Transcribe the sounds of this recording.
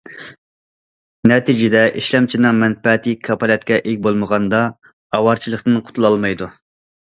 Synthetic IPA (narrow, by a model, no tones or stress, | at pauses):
nɛt̪ʰid͡ʒɪd̪ɛʔiʃlɛmt͡ʃʰinɨŋmɛnpɛt̪ʰikʰːɑpʰɑlɛt̪̚kʲɛʔekʲbolˠməʁɑnd̪ɑ | ɑwɑɾt͡ʃʰilˠəχt̪ɨnqʰʊ̥t̪ʰulˠɑlˠmɑjd̪u